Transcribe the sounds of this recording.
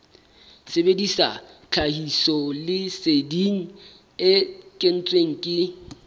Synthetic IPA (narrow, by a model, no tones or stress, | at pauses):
sebedisa̰t͡ɬʰahisɔlɪsediŋ̩ | ɪkʼen̩t͡sʼweŋ̩kʼɪ